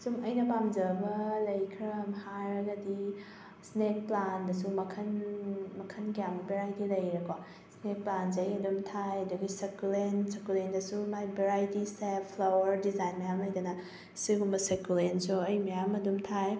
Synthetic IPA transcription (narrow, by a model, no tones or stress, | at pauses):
sumɐjnɐpamd͡ʒɐbɐlɐjkʰɾɐmhaɾɐɡɐdi | snek̚plandɐsumɐkʰɐnmɐkʰɐnɡijamɐbeɾajtilɐjɾɐkʰo | snek̚pland͡ʒ̬ejɐdumtʰajɐduɡisekulensekulendɐsumajbeɾajtisepʰlowɐɾdizajnmɐjamlɐjdɐnɐ | siɡumbɐsekulensuɐjmɐjamɐdumtʰaj